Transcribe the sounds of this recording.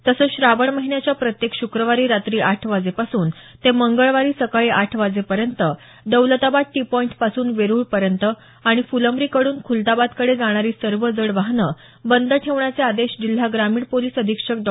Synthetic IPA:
t̪əsəːɕɾaʋəɳməɦinjat͡ɕjapɾət̪jekɕukɾəʋaɾiːɾat̪ɾiːʔaʈʰʋad͡zepasuːnt̪eməŋɡəɭʋaɾiːsəkaɭiːʔaʈʰʋad͡zepəɾjənt̪ə | ɖ̪əwlət̪abaʈipɔiɳʈpasuːnʋeɾuːɭpəɾjənt̪ə | aɽ̃ifuləmbɾiːkəɽuːnkʰult̪abad̪kəɽed͡zaɽ̃aɾiːsəɾʋəd͡zəɽʋaɦnə | bənd̪əʈʰeʋɳjat͡sead̪eɕd͡ʑil̤ːaɡɾamiːɽpoliːsəd̪ʱikʂəkɖ

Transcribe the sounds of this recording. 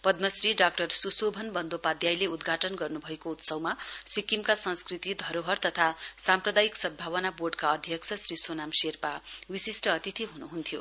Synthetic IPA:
pʌd̪mʌsriɖak̚ʈʌrsusobʱʌnbʌnd̪opad̪jajleud̪ɡʱaʈʌnɡʌrnubʱʌekout̪sʌwmasikimkasʌ̃nskrit̪id̪ʱʌɾoɦʌrt̪ʌt̪ʰasamprʌd̪ajiksʌd̪̚bʱawʌnaborɖkaʌd̪ʱjʌksʰʌsrɾisonamserpawisisʈʌːt̪it̪ʰiɦunuɦunt̪ʰijo

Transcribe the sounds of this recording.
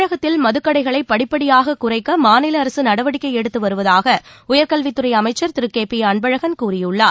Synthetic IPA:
ɻɐɣɐt̪ːɪlmɐðɯkːɐɽɐɪɣɐɭɐɪpːɐɽɪpːɐɽɪjaːɣɐkʊrɐɪkːɐmaːnɪlɐːɾɐsɯnɐɽɐʋɐɽɪkːɐɪɛɽɯt̪ːɯʋɐɾɯʋɐðaːɣɐʊjɐɾkɐlʋɪt̪ːɯrɐɪjɐmɐɪt͡ʃːɐɾt̪ɪɾɯkːeːpːijɐɳbɐɻɐɣɐnkuːrɪjɯɭːaː

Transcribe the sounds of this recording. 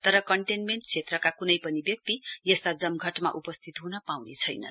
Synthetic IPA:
t̪ʌɾʌkʌɳʈenmeɳʈt͡sʰet̪rʌkakunʌjpʌnibjʌk̚t̪ijʌst̪ad͡zʌmɡʱʌʈma̰ʔupʌst̪ʰit̪ɦunʌpawnḛt͡sʰʌjnʌ̰

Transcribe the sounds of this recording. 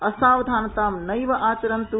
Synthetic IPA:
ɐsaːʋɐd̪ʱaːnɐt̪aːmnɐjʋɐʔaːt͡ʃɐɾɐnt̪u

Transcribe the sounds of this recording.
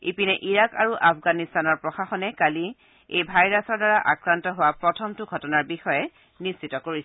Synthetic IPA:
ḭpinɛʔiɹakaɹuʔafʰɡanistanɔɹpɹɔxaxɔnɛkali | ejbʱajɹasɔɹdaɹaʔakɹantɔɦʊwapɹɔtʰɔmtʊɡʱɔtɔnaɹbixɔjɛ | nisːitɔkoɹis

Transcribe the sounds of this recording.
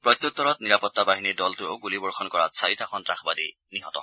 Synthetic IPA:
pɹɔjt̪jut̪ːɔɹɔt̪̚niɹapɔt̪ːabaɦinidɔltʊo̰ɡulibɔɹxʰɔnkɔɹatsʰaitaxʰɔntɹaxʰbadi | niɦɔtɔ̰

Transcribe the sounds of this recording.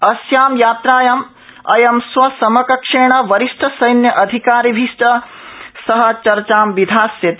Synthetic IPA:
ɐsjaːmjaːt̪ɾaːjɐm | ɐ̰jɐmsʋɐsɐmɐkɐkʂeːɳɐʋɐɾiʂʈʰɐsɐjnjɐʔɐd̪ʱikaːɾibʱiʂʈɐ | sɐɦɐ̆t͡ʃɐɾt͡ʃaːmʋid̪ʱaːsjɐt̪

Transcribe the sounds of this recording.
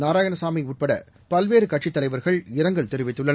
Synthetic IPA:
naːɾaːjɐnɐsaːmɪuːʈ̚pɐɽɐ̰ | pɐlʋeːɾɯkɐʈʂɪt̪ːɐlɐɪʋɐɾɣɐɭɪɾɐŋɡɐɭt̪ɛɾɯʋɪt̪ːɯɭːɐn

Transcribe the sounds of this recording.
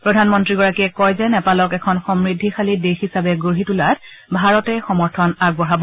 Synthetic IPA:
pɹɔdʱanmɔntɹiɡɔɹakiɛkɔjzɛnɛpalɔkɛkʰɔnxɔmɹidʱːixalidexisabɛɡoɦitulat | bʱaɹɔtɛxɔmɔɹtʰɔnaɡ̚bɔɹabɔ

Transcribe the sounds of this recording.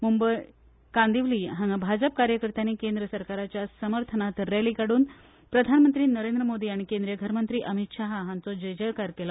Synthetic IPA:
mumbəj | kand̪iʋliːɦãŋɡabʱad͡ʑəp̚kaɾjəkəɾt̪aniːkend̪ɾəsəɾkaɾat͡ɕjasəməɾt̪ʰənat̪ɾeliːkaɽuːn | pɾəd̪ʱanmənt̪ɾiːnəɾend̪ɾəmod̪iːaɽ̃ikẽnd̪ɾijəɡʱəɾmənt̪ɾiːʔəmit̪ɕaɦaɦãnt͡sɔd͡ʑəjd͡ʑəɾkaɾkela

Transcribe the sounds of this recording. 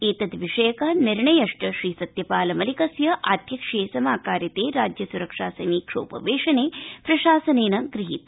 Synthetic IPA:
eːt̪ɐt̪ʋiʂɐjɐkɐniɾɳɐjɐʂʈɐʃɾiːsɐt̪jɐpaːlɐmɐlikɐsjɐʔaːd̪jɐkʂeːsɐmaːkaːɾjɐt̪eːɾaːd͡ʒjɐsuɾɐkʂaːsɐmiːkʂo̰ːpɐ̰ʋeːʂɐneːpɾɐʃaːsɐneːnɐɡɾiɦit̪̚

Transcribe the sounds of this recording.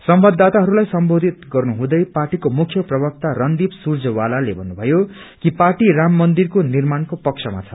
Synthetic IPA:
sʌmbʌd̪ʱːat̪aɦʌɾulajsʌmbod̪ʱit̪ɡʌrnuɦũd̪ʌjparʈikomukʰjʌprʌbʌk̚t̪arʌnd̪ibsurd͡zʌwalalebʱʌnːubʱʌjo | kiparʈiramːʌnd̪irkonirmankopʌksʰʌma̰t͡sʰʌ̥

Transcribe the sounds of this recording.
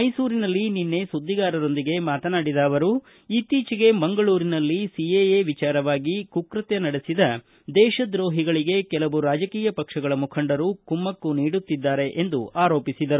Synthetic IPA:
mɐjsuːɾinɐlːininːe̞sud̪ːiɡaːɾɐɾo̞nd̪iɡe̞maːt̪ɐnaːɽid̪ɐːʋɐɾu | it̪iːt͡ʃiɡe̞bɐŋɡɐɭuːɾinɐlːisiejeːʋit͡ʃaːɾɐʋaːɡikukɾɐt̪jɐnɐɽesid̪ɐ | d̪ɛːʃɐd̪ɾo̞ːɦiɡɐɭiɡe̞kɛlɐʋuɾaːd͡ʒɐkiːjɐpɐkʂɐɡɐɭɐmukʰɐɳɖɐɾukumːɐkːuniːɽut̪ːid̪ːaːɾe̞ʔend̪uaːɾo̞ːpisid̪ɐɾu

